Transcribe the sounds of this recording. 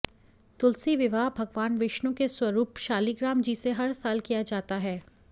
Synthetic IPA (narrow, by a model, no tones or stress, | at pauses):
t̪ʊlsiʋɪʋaːbʱɐɡʋaːnʋɪʃnõkeswɐɾuːpʃaːliɡɾaːmd͡ʒiːseɦɐɾsaːlkijad͡ʒaːt̪aɦɛː